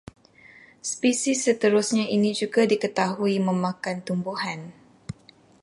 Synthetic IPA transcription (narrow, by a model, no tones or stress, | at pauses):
spisisːət̪əɾʊsɲainid͡ʒuɡadikət̪aɦuimə̃mãkant̪umbuɦan